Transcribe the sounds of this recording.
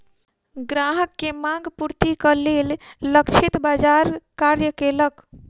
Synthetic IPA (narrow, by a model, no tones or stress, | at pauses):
ɡɾaɦəkːemãŋɡpuɾt̪ikəlelləkt͡ʃʰit̪bad͡ʒaɾkaɾjəkelək